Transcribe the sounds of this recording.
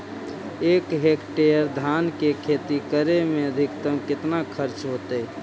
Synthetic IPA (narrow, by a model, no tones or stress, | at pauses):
ekɦekʈejəɾd̪ʱankekʰet̪ikəɾemeəd̪ʱikt̪əmkɪt̪nakʰəɾt͡ʃɦot̪əj